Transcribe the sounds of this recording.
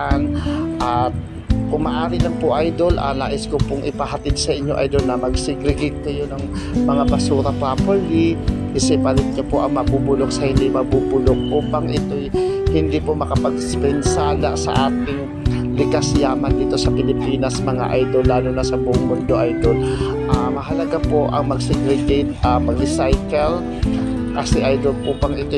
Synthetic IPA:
ʔanʔɐt̪̚ | kʊŋmaʔaːɾɪlɐŋpʊʔajd̪o̞lʔɐ̰laːʔɪskopʊŋɪpɐɦɐt̪ɪd̪̚sɐʔɪɲːo̞ʔa̰jd̪o̞lnɐmɐɡsɪɡɾɪɡɛt̪ːojonɐŋ | mɐŋabɐsuːɾɐpaːpɛllikɐsɛpalɪɡ̪̚ɲɐpoʔɐŋmɐbuːbʊlok̚sɐhɪnd̪imɐbuːbʊlok̚ʔupaŋʔɪt̪ojhɪnd̪ipomɐkɐpɐɡspɛnsaːla̰ʔsɐ̰ʔaːt̪ɪŋ | lɪkaslaːmɐnd̪it̪o̞sɐpɪlɪpiːnɐsmɐŋa̰ʔajd̪olːaːlʊnɐsɐbʊʔʊŋmʊnd̪o̞ʔajd̪ol | ʔamɐɦɐlɐɡapo̞ʔɐ̰ŋmɐɡ̚sɛɡɾɛɡejt̪̚ʔapɐɡɾɪsajkɛl | kɐsɛʔajd̪olʔuːpɐŋʔɪt̪o

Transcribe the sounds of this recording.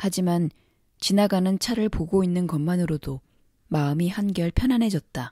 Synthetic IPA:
had͡ʑiman | t͡ɕinaɡanɯnt͡ɕʰaɾɯɭpoɡoinːɯnkʌmːanɯɾodo | maɯmihanɡʌɭpʰjʌnɦanɦe̞d͡ʑʌt̚t͈a

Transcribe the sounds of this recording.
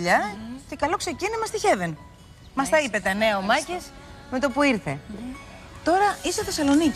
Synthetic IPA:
ʎɐce̞kɐlo̞kse̞cinimɐst̪içe̞ven | mɐst̪ɐipe̞t̪eneomɐces | me̞t̪o̞puiɾθe̞̰ | t̪o̞ɾɐiseθe̞sɐlo̞nic

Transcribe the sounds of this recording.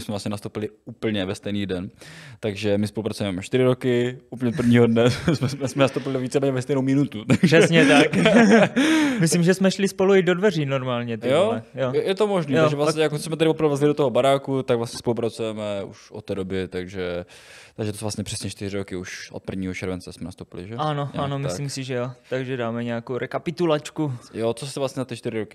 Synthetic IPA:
ɪsmɛvlastɲɛnast̪owpɪlɪuːpl̩ɲɛvɛst̪ɛjniːdɛnt̪aɡʒɛmɪspolupɾat͡sujɛmɛt͡ʃt̪ɪɾɪɾokɪʔupl̩ɲɛot̪pr̩vɲiːɦodnɛsmɛmɛsmɛnast̪owpɪlɪviːt͡sɛmɛːɲɛvɛst̪ɛjnowmɪnut̪ut̪aɡsɛsɲɛt̪ak | mɪslimʒɛsmɛʃlɪspoluɪdodvɛriːnoɾmaːlɲɛt̪jjoɛjojɛt̪omoʒniːjoʒɛvlaɲɛjakosmɛt̪aɾɪpopɾavɛvɛzalɪdot̪oɦobaɾaːkut̪aɡvlasɲɛspolupɾat͡sujɛmɛuʃʔot̪ːɛːdobɛt̪aɡʒɛ | t̪aɡʒɛt̪osvlasɲɛpr̥ɛsɲɛt͡ʃt̪ɪɾ̝ɪɾokɪuʃʔo̰t̪̚pɾ̩vɲiːɦot͡ʃɛɾvɛnt͡sɛsmɛnast̪owpɪlɪ̰ʒɛano̞ano̞mɪslimsɪʒɛjot̪aɡʒɛdaːmɛɲɛakowɾɛkapɪt̪ulat͡ʃkujot͡sosɛvlasɲɛzat̪ɪt͡ʃt̪ɪɾɪɾokɪ

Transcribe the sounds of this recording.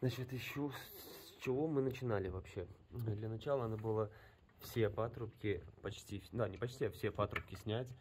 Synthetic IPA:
znat͡ɕɪt̪jɪɕːosʲt͡ɕɪvo̞mɨnət͡ɕɪnalʲɪvɐpɕːe̞d̪lʲənɐt͡ɕalˠəɐnabɨlˠə | fsʲepat̪ɾʊpkʲɪpɐt͡ɕtʲifd̪anʲɪpɐt͡ɕʲtʲiafsʲepat̪ɾʊpkʲɪsʲnʲætʲ

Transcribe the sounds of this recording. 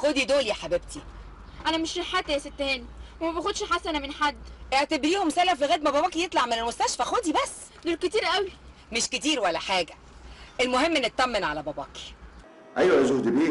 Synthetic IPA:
xod̪id̪oːlijæħabeb̚t̪ʰi | ʔænæmeʃleħːat̪ːæjæset̪ːheːnwemæbæxod̪ʃħasænæmenħad̪ːʔeʕt̪æbɾiːhomsælæfiɣæːd̪mæbæbɑːkijet̪ˤlɑʕmenelmost̪æʃfæxod̪ibæsː | d̪oːlket̪iːɾʔæwi | meʃket̪iːɾwælːæħaːɡæ | ʔelmohemːenːet̪ːæmːenʕalæbæbɑ̰ːki̥ | ʔæjwæezuhd̪biː

